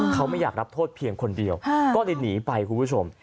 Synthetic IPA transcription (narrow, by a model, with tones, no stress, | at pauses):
kʰa˦˥wma˥˩jaː˨˩k̚ɾa˦˥p̚t̪ʰoː˥˩t̪̚pʰi˧əŋkʰo˧ndi˧əwkɔː˥˩li˧niː˩˦pa˧jkʰuː˧pu˥˩t͡ɕʰo˧m